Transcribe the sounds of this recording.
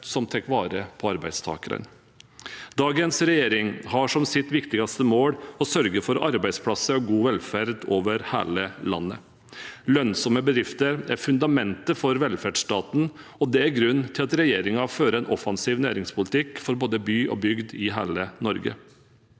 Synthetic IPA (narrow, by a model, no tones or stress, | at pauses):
sɔmt̪ʰɛkʋɑːɾəpʰɔɑɾbæɪd̪st̪ʰɑ̰ːkəɾə̰n | d̪ɑːɡənsɾɛjeːɾɪŋhɑʂɔmsɪt̪ʋɪkt̪ɪɡɑst̪əmoːɽɔsœɾɡəfɔɾɑ̰ɾbæɪspʰɽɑsəɾɡuːʋɛlfæɾd̪oːʋəɾhæ̰ːləlɑ̰nːə̰ | lœnsɔməbəd̪ɾɪft̪əɾæɾfʉnd̪ɑmɛnt̪əfɔɾʋɛlfæɖʂt̪ɑːt̪n̩ | ɔd̪ɛæɾɡɾʉnːt̪ʰɪlɑt̪ɾɛjeːɾɪŋɑføːɾəɛnʔɔfɑnsiːʋnæ̰ːɾɪŋspʰʊlɪt̪ʰɪkfɔɾboːd̪əbyːʔɔ̰bʏɡd̪ɪɦæːlənɔɾɡə̰